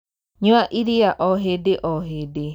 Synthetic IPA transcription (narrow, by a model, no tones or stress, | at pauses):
ɲũaʔiɾiaʔɔɦedeʔɔɦede